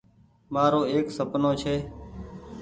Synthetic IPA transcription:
maːɾoːeːksəpnoːt͡ʃʰeː

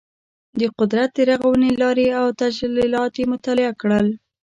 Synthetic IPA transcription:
d̪əqʊd̪ɾat̪̚d̪əɾaɣawənelɑɾeawt̪ad͡ʒlilɑt̪jemʊt̪ɑlɪakɽəl

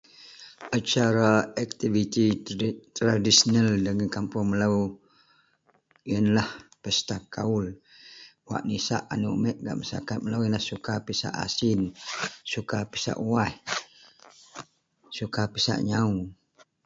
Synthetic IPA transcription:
ʔat͡ʃaɾaak̚t̪ivit̪it̪ɾadisənaldəŋankampʊŋməlau | jənlahpəst̪akaul | wa̰ʔnisa̰ʔa̰nuʔmɛʔɡa̰ʔməsa̰kat̪̚məlaujənlahsukapisa̰ʔa̰sɪnsukapisa̰ʔuah | sukapisa̰ʔɲau

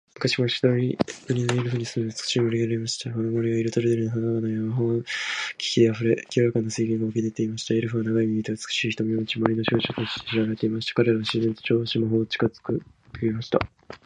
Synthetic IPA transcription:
mɯ̟kaɕimoɕi̥t̪aɾʲiɯɲʲinaiɾɯ̟ɸɯːɲ̟isɨmet͡sɨ̥kɯ̥ɕimoɾʲiɡeɾaɾemaɕi̥t̪akonomoɾʲiɡaiɾɯ̟t̪oɾed̪eɾɯnoɦanaɡanajamaɦokʲi̥kʲid̪e̞aɸɯ̟ɾe̞kʲioɾakanːaseiɡʲẽŋɡaokʲed̪et̪e̞imaɕi̥t̪aeɾɯ̟ɸɯβanaɡaimʲiit̪eɯt͡sɨ̥kɯ̥ɕiːçi̥t̪omjoɲit͡ɕimoɾʲino̞ɕoːt͡ɕot̪oɕi̥t̪eɕiɾaɡaɾet̪e̞imaɕi̥t̪ḁkaɾe̞ɾaβaɕize̞nt̪o̥t͡ɕo̞ːɕimaɦo̞ːt͡ɕi̥kazɨ̥kɯ̟ | kɯɾʲimaɕi̥t̪a̰

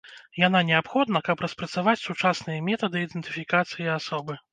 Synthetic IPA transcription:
jananʲɛapxɔd̪nɐkɐpɾɐspɾɐt̪savat͡sʲsut͡ʂasnɨjɐmʲɛt̪ɐd̪ɨid̪ɛnt̪ɨfʲikat̪sɨjiasɔbɨ

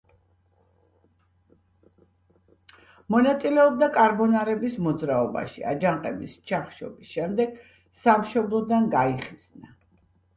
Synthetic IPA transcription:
mɔnat̪sʼilɛɔb̚d̪akʼaɾbɔnaɾɛbismɔd̪zɾaɔba̰ʃḭa̰d͡ʒaɴqʼɛbist͡ʃʰaχʃɔ̰bisʃɛmd̪ɛɡ̥ | samʃɔblˠɔd̪anɡaiχiz̥na

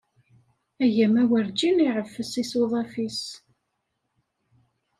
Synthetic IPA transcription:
æʝæmæwəɾd͡ʒiniʕəfːəsisuðˤɑfis

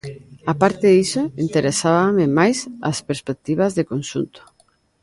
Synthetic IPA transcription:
apaɾt̪eðisoint̪eɾesaβamemajsa̰speɾspek̚t̪iβ̞azðekonʃunt̪o̥

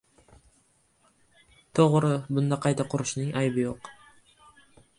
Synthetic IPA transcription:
t̪ʰoʁɾʊbʊnd̪ɑqʰɑjt̪ɑqʰʊɾʊʃnɪŋʔɑjbɪjoq

